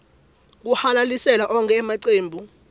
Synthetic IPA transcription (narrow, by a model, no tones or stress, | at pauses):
k̬uhalalisɛlaʔɔŋkʰʼɛːmaǀeːmbʱu